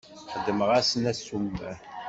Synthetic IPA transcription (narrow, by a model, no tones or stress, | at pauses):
ħəd̪ːəməʁæsənæsumːæ